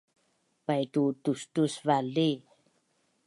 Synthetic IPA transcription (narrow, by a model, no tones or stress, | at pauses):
pajtutustusvali